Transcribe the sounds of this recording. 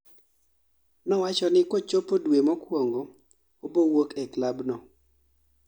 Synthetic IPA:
nɔwat͡ʃɔnɪkot͡ʃopodwemɔkwoŋɡo | obowokɛklabnɔ

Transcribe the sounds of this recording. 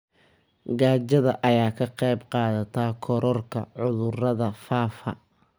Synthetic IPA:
ɡaːt͡ʃɐðɐʔɐjaːkʰɐqɛjbqɑːðɐt̪ʰaːkʰɔɾɔrkʰɐ̰ʕʊðʊrɐðɐfaːfɐ̰

